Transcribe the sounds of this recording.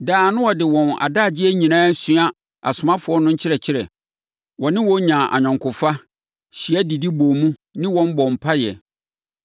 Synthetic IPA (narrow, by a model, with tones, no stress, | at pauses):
daː˨nʊ̃˦wɔ˨dɪ˨wɔ̃˨na̰˨daː˦˨d͡ʑɪ˦ɛ˦ɲĩ˨nãː˦sɥa˦ | a˨sʊ˨mã˦fʊ˨˦ɔ˦nʊ̃˦ɲ̩˦t͡ɕʰɪ˦ɾɛ˨t͡ɕʰɪ˦ɾɛ̰˨ | wɔ̃˨nɪ̃˦wɔ̃˦ɲã˨ʔa̰˨ɲᶣã˨ŋkʰʊ˨fa˦ | ɕi˨ɛ˦di˨di˦boː˨mũ˦nɪ̃˦wɔ̃˨˦m˦bɔ˨m̩˨pʰa˦jɛ̰˨